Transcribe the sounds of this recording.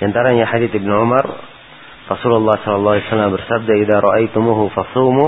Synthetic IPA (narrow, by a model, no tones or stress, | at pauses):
diant̪aɾaɲaħad̪iːt̪ibnuʕʊmar | rɑsululˤːɑhsɔlɑlˤːɑːlɛsalːambərsab̚d̪aiðaɾˤɑʔajt̪ʊmuɦʊfɑsˤuːmu